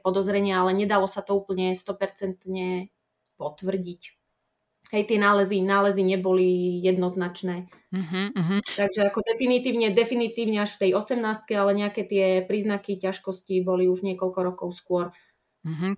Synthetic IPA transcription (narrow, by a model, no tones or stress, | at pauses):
pɔd̪ɔzɾɛɲɪaalɛɲɛd̪alɔsat̪ɔuːpl̩ɲɛst̪ɔpɛɾt͡sɛnt̪ɲɛ | pɔt̪ʋr̩ɟic | ɦɛjt̪ɪɛnaːlɛzinaːlɛziɲɛbɔlijɛd̪nɔznat͡ʃnɛː | ɦɦt̪aɡʒɛakɔd̪ɛfinit̪iːʊɲɛd̪ɛfinit̪iːʊɲɛaʃft̪ɛjɔsɛmnaːst̪̚kɛalɛɲɛakɛːt̪ɪɛpɾiːznakicaʃkɔscibɔliuʒɲɪɛkɔʎkɔɾɔkɔʊskʊɔɾ | ɦ